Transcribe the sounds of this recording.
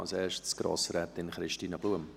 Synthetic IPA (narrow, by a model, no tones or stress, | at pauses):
lsɛːʃtsɡ̥ɾɔ̰sɾɛt̪ɪnχɾɪʃtiːnəb̥luəm